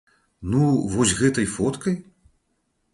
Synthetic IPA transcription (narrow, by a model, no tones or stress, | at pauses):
nuvɔsʲɣɛt̪ɐjfɔt̪kɐj